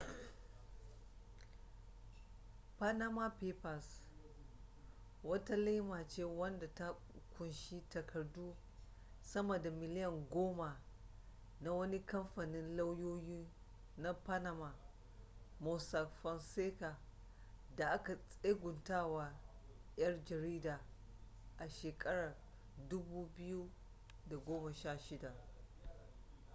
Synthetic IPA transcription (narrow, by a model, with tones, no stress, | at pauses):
pa˦na˦ma˦pe˦pa˨s | wɐ˦ta˦li˦ma˨t͡ʃeː˦wɐ˦nda˨ta˦ | kʷʊ˨nʃi˦tɐ˨kʰɐ˨rdu˦ | sɐ˦mɐ˨da˨mɪ˨lɪ˦jɐ˨ŋɡʷoː˦ma˨ | na˦wɐ˦ni˦kɐ˦mɸa˨nɪ˦nla˦wjoː˦jiː˦ | na˦pa˦na˨ma˨ | mɔ˨sa˨fɐ˨nseː˦ka˨ | da˨ʔa˦ka˨sʼe˦ɡʷʊ˨ntaː˦˨wa˨˦ | jɐ˦rd͡ʒɐ˨ɾiː˦daː˨ | ʔa˨ʃeː˨kʼɐ˦ɽɐ˨r | dʊ˦buː˦bɪ˦ju˦ | da˨ɡʷoː˦ma˨ʃaː˦˨ʃɪ˦da˨